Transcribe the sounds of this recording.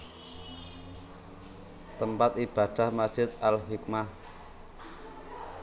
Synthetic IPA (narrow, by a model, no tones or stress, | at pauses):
t̪əmpat̪̚ib̥ä̤d̪̥a̤hmad͡ʒ̥ɪt̪alɦik̚mah